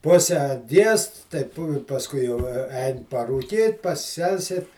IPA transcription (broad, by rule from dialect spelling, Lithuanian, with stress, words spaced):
ˈpʊsʲɛ ˈɡʲiɛst tɐɪ ˈpʊ ɪ pɐsˈkʊɪ jɛʊ ɐ ˈɛɪn pɐruːˈkʲiːt pɐsʲˈsʲɛlʲsʲeːt